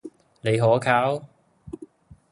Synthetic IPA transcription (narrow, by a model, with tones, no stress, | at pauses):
ne˨˧jɦɔː˨˥kʰaː˨˥w